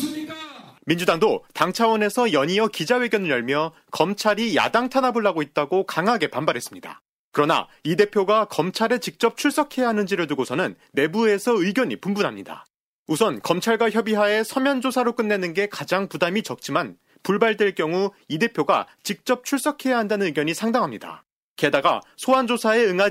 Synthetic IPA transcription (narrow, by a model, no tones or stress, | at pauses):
mind͡ʑudaŋdotaŋt͡ɕʰawʌne̞sʰʌjʌɲiʌkid͡ʑawe̞ɡjʌnɯɭjʌɭmjʌ | kʌmt͡ɕʰaɾija̰daŋtʰanaboɭːaɡoit̚t͈aɡokaŋɦaɡe̞panbaɾɦe̞s͈ɯmɲida̰ | kɯɾʌna̰ide̞pʰjoɡakʌmt͡ɕʰaɾet͡ɕik̚t͡ɕ͈ʌp̚t͡ɕʰuɭs͈ʌkʰe̞jaɦanɯnd͡ʑiɾɯɭtuɡosʰʌnɯnːe̞bue̞sʰʌɯiɡjʌɲipumbunɦamɲida̰ | usʰʌnkʌmt͡ɕʰaɭɡwaçjʌbiɦae̞sʰʌmjʌnd͡ʑosʰaɾok͈ɯnːenɯnɡe̞kad͡ʑaŋpudamit͡ɕʌk̚t͡ɕ͈iman | puɭbaɭdwe̞ɭk͈jʌŋuide̞pʰjoɡa̰t͡ɕik̚t͡ɕ͈ʌp̚t͡ɕʰuɭs͈ʌkʰe̞jaɦandanɯnɯɡjʌɲisʰaŋdaŋɦamɲida̰ | kedaɡa̰sʰoand͡ʑosʰae̞ɯŋa